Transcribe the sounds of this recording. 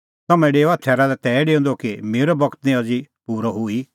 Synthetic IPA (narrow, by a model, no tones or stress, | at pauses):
t̪ɐmɛ̃ɖeːoat̪ʰɛːɾalɛt̪ɛːɖeːõnd̪okimeːɾɔbɐɡt̪nĩɐd͡zi | puːɾɔɦʊi